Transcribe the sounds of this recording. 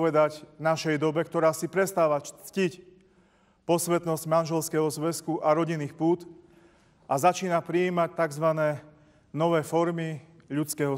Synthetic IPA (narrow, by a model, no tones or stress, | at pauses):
ʋɛd̪aɟnaʃɛjd̪ɔbɛkt̪ɔɾaːsipɾɛst̪aːʋat͡scic | pɔsʋɛt̪nɔzɟmanʒɛlskɛɦɔzʋɛskuʔaɾɔɟinːiːxpuːt̪ | ʔazat͡ʃiːnapɾiiːmac̚t̪aɡzʋanɛː | nɔʋɛːfɔɾmi | ʎut͡skɛːɦɔ